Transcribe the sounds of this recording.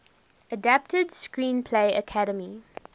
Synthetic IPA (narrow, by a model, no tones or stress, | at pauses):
ədap̚tədskɹĩːnpʰleɪəkʰaɾəmi